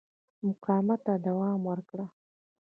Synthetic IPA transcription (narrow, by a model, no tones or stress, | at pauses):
mʊqɑmat̪ad̪awɑmwəɾkɽa